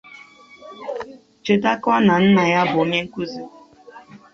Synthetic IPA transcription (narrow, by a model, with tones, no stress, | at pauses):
t͡ʃo˨ta˦ka˦na˨n̩˦na˨ja˦bʊ˨o˦ɲe˦ŋ̩˦ku˦zi˨˦